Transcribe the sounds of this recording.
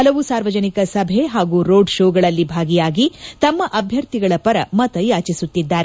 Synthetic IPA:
hɐlɐʋusaːɾʋɐd͡ʒɐnikɐsɐbʱeɦaːɡuːɾoːɖʃoːɡɐɭɐlːibʱaːɡijaːɡit̪ɐmːɐʔɐbʱjɐɾt̪iɡɐɭɐpɐɾɐ̰mɐt̪ɐjaːt͡ʃisut̪ːid̪ːaːɾe

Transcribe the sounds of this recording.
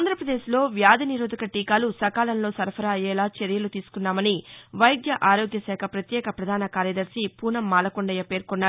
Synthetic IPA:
nd̪ʱɾɐpɾɐd̪e̞ːslo̞ːʋjaːd̪ʱiniɾoːd̪ɐkɐʈiːkaːlusɐkaːlɐnloːsɐɾpʰɐɾɐːjɛːlaːt͡ʃeɾjɐlut̪iːsu̥kunːaːmɐniʋɐjɡjɐʔaːɾo̞ːɡjɐsɛːkʰɐpɾɐt̪jɛːkɐpɾɐd̪ʱaːnɐkaːɾjɐd̪ɐɾsipuːnɐmːaːlɐkuɳɖɐjɐpe̞ːɾkɔnːaːɾ

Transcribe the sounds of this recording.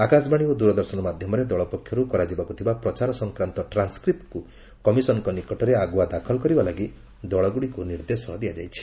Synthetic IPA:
akasbaɽ̃iod̪uɾɔd̪ɔɾsɔnɔmad̪ʱjɔmɔɾed̪ɔɭɔpɔkʰːjɔɾukɔɾad͡ʒibakut̪ʰibapɾɔt͡ʃaɾɔsɔŋkɾant̪ɔʈɾanskɾip̚ʈku | kɔmisɔnɔkɔnikɔʈɔɾeaɡwad̪akʰɔlɔkɔɾibalaɡi | d̪ɔɭɔɡuɽikuniɾd̪esɔd̪ijad͡ʒajt͡ʃʰi̥

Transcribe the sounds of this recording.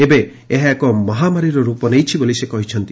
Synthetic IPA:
ebe | eɦaekɔmɔɦamaɾiɾɔɾupɔnejt͡ʃʰibolisekɔɦit͡ʃʰɔnt̪i

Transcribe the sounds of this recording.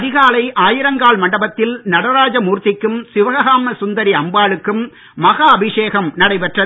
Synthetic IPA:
ɐðɪɣaːlɐɪʔaːjɪɾɐŋɡaːɭmɐɳɖɐbɐt̪ːɪlnɐɽɐɾaːd͡ʒɐmuːɾt̪ːɪkːɯmsɪʋɐɣɐɣaːmɐsʊnd̪ɐɾiɐmbaːɭɯkːɯmː | ɐɣaːɐbɪʂeːɣɐmnɐɽɐɪpɛʈrɐ

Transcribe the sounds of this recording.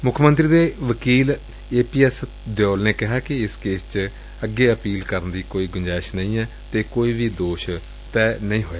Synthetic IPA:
mʊkʰmə̃nt̪ɾiːd̪eːʋəkiːl | eːpiːɛːs | d̪jɔːlneːkɪɦaːkɪɪskeːst͡ʃ | əɡːeːəpiːlkəɾnd̪iːkoːiːɡʊɲd͡ʒaːɪʃnəĩːɛː | t̪eːkoːiːʋiːd̪oːʃ | t̪ɛːnəĩːɦoːjaː

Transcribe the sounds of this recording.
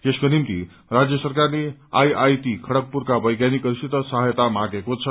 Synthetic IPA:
t̪eskonimt̪ḭ | rad͡zjʌsʌrkarlea̰jajt̪ikʰʌɽʌk̚puɾkabʌjɡjanikʌɾisit̪əsʌɦajt̪amãɡekot͡sʰʌ

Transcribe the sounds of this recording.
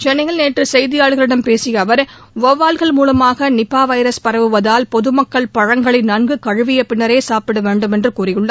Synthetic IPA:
t͡ʃɛnːɐɪjɐlneːʈrɯsɛjðɪjaːɭɣɐɭɪɽɐmpeːsɪjɐːʋɐɾʋoʋaːlɣɐɭmuːlɐmaːɣɐnɪpːaːʋɐɪɾɐspɐɾɐʋɯʋɐðaːlpɔðɯmɐkːɐɭpɐɻɐŋɡɐɭɪnɐnɡɯkɐɻɯʋɪjɐpɪnːɐɾeːsaːpɪɽɐʋeːɳɖɯmɛndrɯkuːrɪjɯɭːɐ

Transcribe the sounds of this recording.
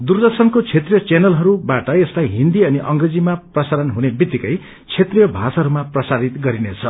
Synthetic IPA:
d̪urd̪ʌsʌnkot͡sʰet̪rijʌt͡senʌlɦʌɾubaʈʌestajɦind̪iʌniʔʌŋɡred͡zimaprʌsaɾʌnɦunebit̪ːikʌj | t͡sʰet̪rijʌbʱasɦʌɾumaprʌsaɾit̪ɡʌɾinet͡sʰʌ

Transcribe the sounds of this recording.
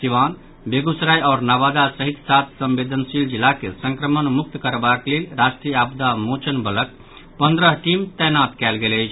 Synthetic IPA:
siʋan | beɡusɾajɔːɾnabad̪asəɦit̪sat̪ʰsə̃mbed̪ʱənsild͡ʒilːakesə̃ŋkɾəmənmuk̚t̪kəɾbaklelɾasʈɾijəabd̪amot͡ʃənbələk̚ | pənd̪ɾəɦʈimt̪ɛjnat̪kɛlɡelɛjt͡ʃʰ

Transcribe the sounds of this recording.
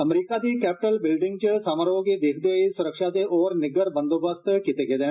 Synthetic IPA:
əmɾiːkad̪ikɛːpɪʈəlbɪlɖɪ̃ŋɡ̚t͡ʃəsaːməɾəõked̪eːkʰd̪eisʊɾəkʃat̪eʔɔːɾnɪɡəɾbə̃nd̪oːbəst̪kɪt̪ekeːd̪ẽː

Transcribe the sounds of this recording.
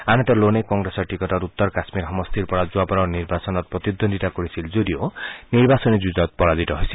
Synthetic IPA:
anɔt̪ɔlonekɔŋɡɾesɔɾʈikɔʈɔɾut̪ːɔɾkasmiɾɦɔmɔst̪iɾpɔɽad͡ʒuapɔɾɔniɾbasɔnɔt̚pɾɔt̪id̪ːonʱitakɔɾisʰild͡ʒoɾioniɾbasɔnid͡ʒud͡ʒɔt̪̚pɔɾad̪it̪ɔɦojsʰi

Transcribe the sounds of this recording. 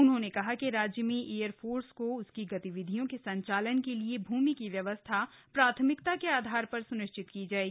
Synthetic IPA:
ʊnɦõnekɐɦakiɾaːd͡ʒjəmĩʔeːjəɾpʰoːɾskoʊskiɡɐt̪iʋɪd̪ʱijõkesɐ̃ɲt͡ʃaːlənkeliebʱuːmikiʋjɐʋəst̪ʰapɾaːt̪ʰəmɪkt̪akeaːd̪ʱaːɾpɐɾsʊnɪʃt͡ʃɪt̪kid͡ʒaːeːɡi

